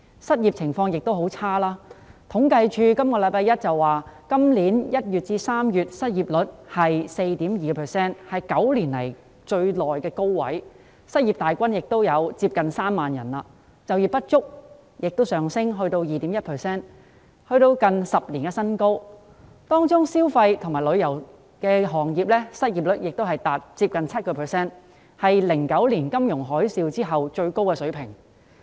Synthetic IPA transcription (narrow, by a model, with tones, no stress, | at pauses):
sɐ˥t̚ji˨p̚t͡sʰɪ˨˩ŋfɔː˧ŋjɪ˨k̚t̪o˥wɦo˨˥wt͡sʰaː˥laː˥t̪ʰʊ˨˥ŋkɐ˧jt͡ʃʰyː˧kɐ˥mkɔː˧lɐ˨˥jpaː˧jɐ˥t̚t͡sɐ˨wːaː˨kɐ˥mliː˨˥njɐ˥t̚jyː˨t̚t͡siː˧saː˥mjyː˨t̚sɐ˥t̚jiː˨˩p̚lɵ˨˥t̚hɐ˨jse˧jt̪iː˨˥mjiː˨kɛ˧pʰɛː˨sɛː˥nhɐ˨jkɐ˨˥wliː˨˩nlɐ̰˨˩j | t͡ʃɵ˧ɥlɔː˨jkɛː˧ko˥wːɐ̰˨˥j | sɐ˥t̚jiː˨p̚t̪aː˨jkʷɐ˥njɪ˨k̚t̪o˥wjɐ˨˧wt͡siː˧p̚kɐ˨nsaː˥mːaː˨njɐ̰˨˩naː˧ | t͡sɐ˨wjiː˨˩pɐ˥t̚t͡ʃʊ˥k̚ | jɪ˨k̚t̪o˥wsœː˨˩ŋsɪ˥ŋɦɵ˧ɥt̪o˧wjiː˨t̪i˨˥mjɐ˥t̚pʰɛː˨˩sɛː˥n | hɵ˧ɥt̪o˧wkɐ˨˧nsɐ˨p̚liː˨˩nɡɛː˧sɐ˥nko˥w | t̪ɔː˥ŋt͡ʃʊ˥ŋsiː˥wfɐ˧jt̪ʰʊ˨˩ŋmaː˨˩jlɵ˨˧ɥjɐ˨˩w | kɛː˧ɦɔː˨˩ŋjiː˨p̚lɛ˥sɐ˥t̚jiː˨p̚lɵ˨˥t̚jɪ˨k̚t̪o˥whɐ˨jt̪aː˨t̚t͡siː˧p̚kɐ˨nt͡sʰɐ˥t̚kɔː˧pʰɛː˨˩sɛː˥n | hɐ˨jlɪ˨˩ŋkɐ˨˥wliː˨˩nkɐ˥mjʊ˨˩ŋɦɔː˨˥jsiː˧wt͡siː˥ɦɐ˨wt͡ʃɵ˧ɥko˥wkɛː˧sɵ˨˥ɥpʰɪ˨˩ŋ